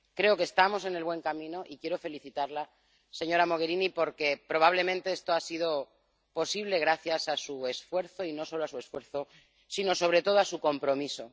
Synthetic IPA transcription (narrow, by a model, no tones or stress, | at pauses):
kɾe̞o̞kest̪amo̞se̞ne̞lβwe̞ŋkamĩno̞ʔikje̞ɾo̞fe̞liθit̪aɾla | se̞ɲo̞ɾamo̞ɣ̞e̞ɾinipo̞ɾke̞pɾo̞β̞aβ̞le̞mẽnt̪e̞est̪oasiðo̞ | po̞siβ̞le̞ɣ̞ɾaθjasasue̞sfwe̞ɾθo̞ino̞so̞loasue̞sfwe̞ɾθo̞ | sino̞so̞β̞ɾe̞t̪o̞ð̞oasuko̞mpɾo̞miso̞